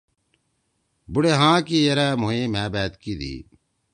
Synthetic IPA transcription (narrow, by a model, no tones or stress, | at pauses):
buɽeːɦãːkiːjɐɾɛːmoːẽːmɛ̃ːbɛːt̪kiːd̪ḭː